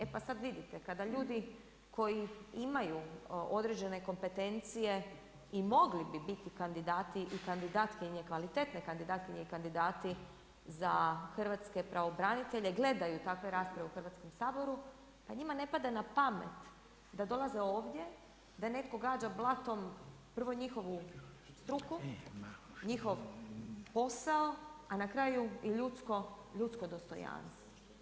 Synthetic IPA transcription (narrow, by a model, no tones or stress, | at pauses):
epasad̪ʋid̪it̪e̞kad̪aʎuːd̪i | kʰo̞jiimajuo̞d̪ɾed͡ʑe̞ne̞ko̞mpe̞t̪e̞nt̪sije̞ | imo̞ɡlibibit̪ikand̪id̪aːt̪iʔikand̪id̪aːt̪kiɲe̞kʋalit̪et̪nekand̪id̪aːt̪kiɲeikand̪id̪aːt̪i | zaxr̩ʋat̪ske̞pɾʔaʋo̞bɾanit̪e̞ʎeɡle̞d̪ajut̪akʋe̞ɾaːspɾaʋeuxr̩ʋat̪sko̞msaːbo̞ɾu | paɲimane̞pad̪anapamḛt̪ | d̪ad̪o̞lˠazeo̞ːʋd̪je̞ | d̪ane̞t̪ko̞ɡaːd͡ʒablˠat̪o̞m | pr̩ʋo̞ɲixo̞ʋu | st̪ɾuku | ɲixo̞ʋpo̞saoanakɾaːjujɛʎut̪skoʎut̪skod̪o̞st̪o̞̰ja̰ːnst̪o